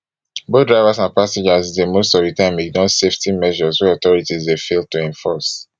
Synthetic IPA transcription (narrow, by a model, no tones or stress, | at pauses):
bodɹaɪvasãnpasɛ̃d͡ʒazizdemostɔvdətãɪ̃midɔ̃tseftimɛʒɔswɛɔtɔɹitizdefel̚tuɛ̃nfɔs